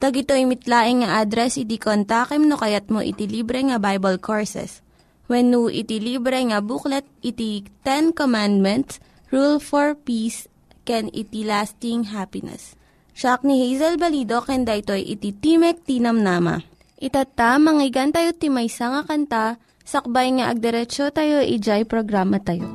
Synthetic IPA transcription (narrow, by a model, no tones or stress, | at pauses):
t̪ɐɡɪt̪o̞imɪt̪laːʔɪŋŋɐʔad̪ɾɛsɪt̪ikont̪aːkɛmnokɐjat̪̚moʔɪ̰t̪iliːbɾɛŋɐbajbɐlkʰoɹsɛ̰s | wɛnːuʔɪ̰t̪ilibɾɛŋɐbuklɛt̪̚ɪt̪it̪ɛnkomand̪̚mɛnt̪s | ɹulfoɹpis | kɛnɪ̰t̪ilast̪ɪŋɦapɪnɛ̰s | ʃak̚nihejzɛlbɐlid̪o̞kɛnd̪aʔɪt̪o̞jʔɪ̰t̪it̪imɛk̚t̪iːnɐmnamɐ̰ | ʔɪt̪at̪amɐŋɪɡant̪ɐjot̪imɐjsaŋɐkɐnt̪a | sɐk̚bajŋaʔɐɡ̚d̪ɛɾɛt͡ʃot̪ajo̞ʔid͡ʒajpɾoɡɾaːmɐt̪ɐjo̰